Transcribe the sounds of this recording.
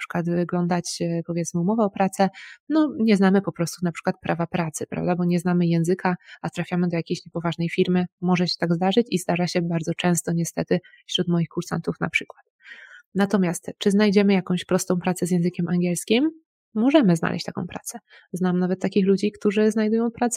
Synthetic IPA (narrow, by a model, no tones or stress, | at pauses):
apʂɘ̥kwat̪vɘɡlɔnd̪at͡ɕpɔvʲjɛtsmɘumɔvɛɔpɾat̪sɛnɔɲɛznamɘpɔpɾɔst̪unapʂɘ̥kwat̪̚pɾʔavapɾat̪sɘpɾa̰vd̪abɔɲɛznamɘjɛ̃w̃zɘkaat̪ɾafʲjamɘd̪ɔjakʲejɕɲɛpɔvaʐnɛjfʲiɾmɘmɔʐɛɕɛ̥t̪aɡzd̪aʐɘt͡ɕizd̪aʐaɕɛbaɾdzɔt͡ʂɛ̃w̃st̪ɔɲɛst̪ɛt̪ɘ | fɕɾut̪mɔjixkuɾsa̰nt̪ufna̰pʂɘkwat̪nat̪ɔmʲjast̪t͡ʂɘznajd͡ʑɛmɘjakɔ̃w̃ɕpɾɔst̪ɔ̃w̃pɾat̪sɛzjɛ̃ñzɘkʲɛmʔaŋɡʲjɛlskʲimː | ɔʐɛmɘzna̰lʔɛ̰ɕt͡ɕt̪a̰kɔ̰̃w̃pɾa̰t̪sɛ | znamnavɛt̪ːakʲixlud͡ʑikt̪uʐɘznajd̪ujɔ̃w̃pɾat̪s